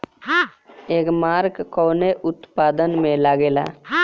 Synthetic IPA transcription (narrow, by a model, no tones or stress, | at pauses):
eːkmaːɾkkɔːneʔʊt̪paːd̪ənmẽlaːɡeːla̰ː